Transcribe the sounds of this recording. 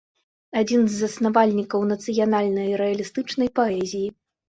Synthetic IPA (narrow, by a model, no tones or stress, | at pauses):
ad͡zʲinzːɐsnavalʲnʲikɐwnɐt̪sɨjanalʲnɐjɾɛɐlʲist̪ɨt͡ʂnɐjpaɛzʲiji